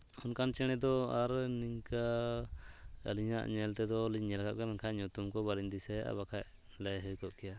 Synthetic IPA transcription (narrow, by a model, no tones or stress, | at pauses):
unkant͡ʃɛɽ̃ɛd̪ɔaɾniŋka | ə̰liɲaʔɲɛlt̪ɛd̪ɔliɛlaɡaʔ̪̚kɛmɛnkʰajɲut̪umkɔbalind̪isɛa̰bakʰaʔ | ləjɦəjkɔʔkɛja